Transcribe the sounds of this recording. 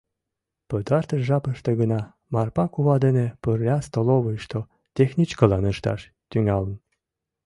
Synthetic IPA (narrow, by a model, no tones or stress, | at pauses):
pəd̪ɑrt̪əʃʒɑpəʃt̪eɣənɑ | mɑrpɑkuβɑd̪enepərlʲɑst̪oloβəjʃt̪o | t̪ʲexnʲit͡ɕkəlɑnəʃt̪ɑ̰ʃ | t̪yŋɑlən